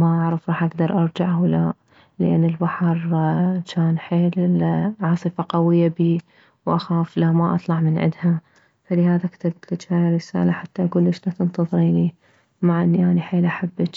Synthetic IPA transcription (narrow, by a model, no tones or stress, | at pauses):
maʔaʕɾɑfɾˤɑːħʔaɡd̪ɑɾˤʔɑɾˤd͡ʒaʕwla | lɪ̰ʔɪ̰nːɪlbaħɑɾˤt͡ʃaːnħeːlʕɑːsˤɨfaqawɪjːabiː | wʔaxaːflamaʔɑ̰t̪ˤlɑʕmɪnʕɪ̰d̪ha | falɪhaːðakt̪ɪbt̪kɪt̪aːjɾɪsa̰ːlaħat̪ːaʔaɡuːlːɪʃnat̪ɪnt̪ɑðˤɾiːni | maʕʔɪnːjaːniħeːlʔaħabːɪt͡ʃ